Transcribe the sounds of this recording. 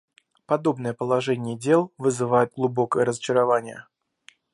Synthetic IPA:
pɐd̪o̞bnəjəpəlˠɐʐɛnʲɪjədʲe̞lˠvɨzɨvajʊt̪̚ɡlˠʊbo̞kəjəɾəzət͡ɕɪɾɐvanʲɪjə̰

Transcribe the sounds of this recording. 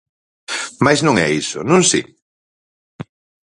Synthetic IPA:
majznõŋɛ̰isʊ̰nũnsḭ

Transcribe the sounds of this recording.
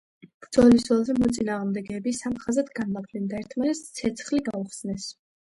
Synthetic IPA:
b̥ɾd̪zɔlisɔlˠzɛmɔt̪sʼinaːʁmd̪ɛɡɛbisamχazat̪ɡanmakʰlɛnd̪aɛɾt̪ʰmanɛst̪sʰɛt̪sʰχliɡauχsnɛs

